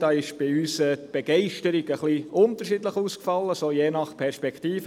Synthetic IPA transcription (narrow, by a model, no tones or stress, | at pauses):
d̥ɑːɪʃb̥ɪyːsət̪b̥ɛɡ̥ɛɪʃtəɾiɡəχliʔʊnt̪əɾʃidləχuːskfɑlːəsoːjeːnɑχpʰɛɾspɛktiːfə